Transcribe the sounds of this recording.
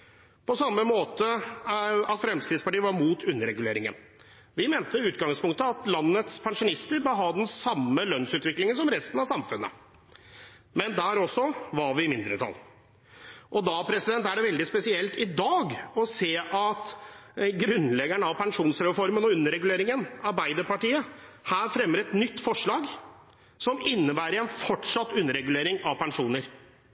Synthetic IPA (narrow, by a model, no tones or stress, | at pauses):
pʰɔsɑmːəmoːt̪ə | ɑt̪fɾɛmskɾɪt̪spɑʈiːəʋɑɾmuːt̪ʰʉnːəɾɛɡʉleːɾɪŋə̰n | ʋɪmɛːnt̪əʉːt̪ɡɑŋspʰʊŋk̚t̪əɑt̪lɑnːət̪spʰɛŋʂʊnɪst̪əɾbəɦɑːd̪ɛnsɑmːəlœnsʉːt̪ʋɪklɪŋənsɔmɾɛst̪ənɑʋsɑmfʉnːə̰ | mɛnd̪æːɾɔsːɔʋɑɾʋɪmɪnd̪ɾət̪ʰɑ̰lː | ʔɔd̪ɑpʰɾɛsɪd̪ɛnt̪æɖɛʋɛld̪ɪspɛsɪɛlt̪ɪd̪ɑːɡɔseːʔɑt̪ | ɡɾʉnlɛɡæɳəɑʋpʰɛŋʂuːnsɾɛfɔɾmənɔʉnːəɾɛɡʉleːɾɪŋənɑɾbæɪd̪əɾpɑʈiːə | hæːɾfɾɛmːəɾɛt̪nʏt̪ːfɔʂɭɑːɡ | sɔmɪnːəbæːɾəɾɛnfɔʈʂɑt̪ːʉnːəɾɛɡʉleːɾɪŋɑʋpɛŋʂuːnəɾ